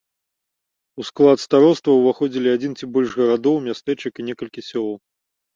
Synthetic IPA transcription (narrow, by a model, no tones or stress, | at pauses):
usklˠat̪st̪aɾɔst̪vɐwvaxɔd͡zʲilʲiad͡zʲint͡sʲibɔlʲʐɣɐɾad̪ɔwmʲast̪ɛt͡ʂɨkinʲɛkɐlʲkʲisʲɔlˠɔw